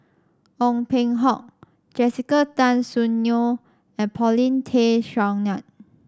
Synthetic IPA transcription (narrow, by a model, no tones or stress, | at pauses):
ʔɔ̃ŋpẽŋɦɔk̚ | d͡ʒɛsikətãnsunjo | ɛ̃npʰɔlĩntʰeʃãŋnãt̚